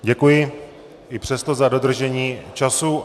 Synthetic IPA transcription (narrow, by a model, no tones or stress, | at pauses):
ɟɛkujɪ | ʔɪpr̝̥ɛst̪o̞zado̞d̪r̩ʒɛɲiːt͡ʃasu